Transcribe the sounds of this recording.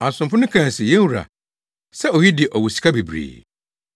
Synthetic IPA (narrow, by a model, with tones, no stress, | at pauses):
a˨sʊ̃˨mfʊ˦nʊ̃˦kʰã˨n˨sɪ˨jɛ̃˦wu˨ɾa̰˨ | sɛ˦o˨ji˦dɪ˨ʔɔ˨wu˨si̥˨kʰa˦bi˨bɾḭː˨